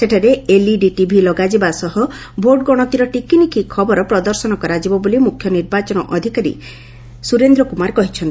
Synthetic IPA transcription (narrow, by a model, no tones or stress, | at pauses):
seʈʰaɾeeliɖiʈibʱilɔɡad͡ʒibasɔɦɔ | bʱoɾɖɡɔɽ̃ɔt̪iɾɔʈikinikikʰɔbɔɾɔpɾɔd̪ɔɾsɔnɔkɔɾad͡ʒibɔbolimukʰːjɔniɾbat͡ʃɔnɔʔɔd̪ʱikaɾḭ | suɾend̪ɾɔkumaɾkɔɦit͡ʃʰɔnt̪i̥